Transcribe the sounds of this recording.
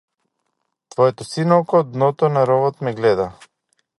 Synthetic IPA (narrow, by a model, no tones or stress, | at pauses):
t̪vɔɛt̪ɔsinɔlkɔd̪nɔt̪ɔnaɾɔvɔt̪mɛɡlɛd̪a